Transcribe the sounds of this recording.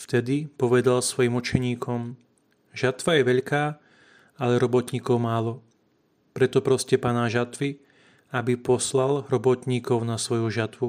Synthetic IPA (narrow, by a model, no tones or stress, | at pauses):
ft̪ɛd̪ipɔʋɛd̪alsʋɔjimut͡ʃɛɲiːkʰɔm | ʒat̪ʋajɛʋɛʎkaː | alɛɾɔbɔt̪ɲiːkɔʊmaːlɔ | pɾɛt̪ɔpɾɔscɛpaːnaʒat̪ʋi | abipɔslalɾɔbɔt̪ɲiːkɔʊnasʋɔjuʒat̪ʋu